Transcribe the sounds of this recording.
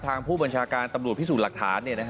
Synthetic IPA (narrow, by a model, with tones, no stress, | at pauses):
t̪ʰaː˧ŋpʰuː˥˩ba˧nt͡ɕʰaː˧kaː˧nt̪a˧mɾu˨˩ət̪̚ʰi˥˩suː˨˩t̪̚la˨˩k̚t̪ʰaː˩˦nːi˥˩ɐna˦˥